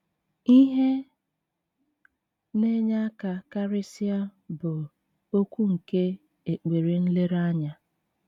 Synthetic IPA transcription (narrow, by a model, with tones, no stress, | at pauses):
i˦ɦe˦ | ne˦ɲa˦ka˨ka˦ɾɪ˦si˦a˦bʊ˨ | o˦kʷu˦ŋ̩˨ke˦ | e˨k͡pe˨ɾi˨n̩˦le˦ɾa˦ɲa˦